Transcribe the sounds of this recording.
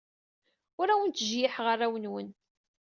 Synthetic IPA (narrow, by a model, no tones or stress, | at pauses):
ʊɾæwənt̪ʒjɪħʁərˤːawənwən